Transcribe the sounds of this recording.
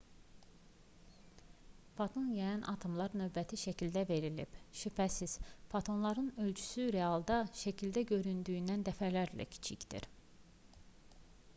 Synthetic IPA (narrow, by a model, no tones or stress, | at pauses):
fɑt̪ʰo̞njɑjɑnʔɑ̰t̪ʰɯmlˠɑɾnø̞vbæt̪ʰiʃæcʰild̪æve̞ɾilḭbʃypʰæsiz̥fɑt̪ʰo̞nlˠɑɾɯnø̞lt͡ʃʰy̥syɾe̞ɑlˠd̪ɑʃæcʰild̪æɟø̞ɾynd̪yːnd̪ænd̪æfælæɾlæ̰cʰi̥t͡ʃʰicd̪ḭɾ